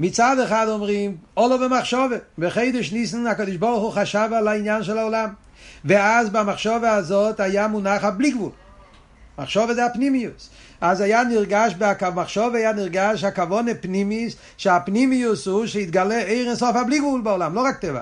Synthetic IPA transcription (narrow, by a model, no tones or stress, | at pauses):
mit͡sadɛχadɔmʁimɔlˠɔvəmaχʃɔvebəχeɪdɪʃnisn̩akɔdɪʃbɔʁχuχaʃavalainjanʃ̬ɛlˠaɔlam | veazbamaχʃɔveazotajamunaχabliɡvulˠ | ma̰χʃɔvəzaɪapnimius | azajaniʁɡaʃbɪakamaχʃɔvɛajaniʁɡaʃakavɔnepnimis | ʃɪapnimiusuʃeit̪̚ɡalɛeɪʁɛnsɔfabliɡvulˠbaɔlamloʁak̚tɛva̰